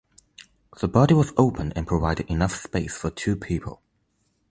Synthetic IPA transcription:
ð̥əbɑɾiwɒzoʊpʰə̃nə̰̃npʰɹ̥əvaɪdɪdɪnʌfspeɪsfətʰʉːpʰipʰə̰lˠ

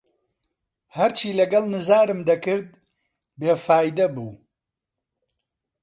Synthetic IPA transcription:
hɐɾt͡ʃiːlɐɡɐlˠnɨzaːɾɨmd̪ɐkɨɾd̪̚ | beːfaːjd̪ɐbuː

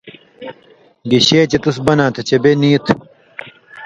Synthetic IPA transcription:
ɡiɕeːt͡ɕet̪usbɐnãːt̪ʰɐt͡ɕebeniːt̪ʰ

